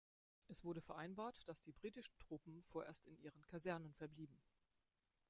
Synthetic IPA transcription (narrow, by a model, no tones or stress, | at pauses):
ʔɛsv̥ʊɐɾəfɛɐʔaɪnbaːɐtd̥asd̥iːbʁiːtɪʃn̩tʁ̥oːpm̩foːɐḛːɐstɪnʔḭːʁənkʰazɛɐnənfɛɐbliːbm̩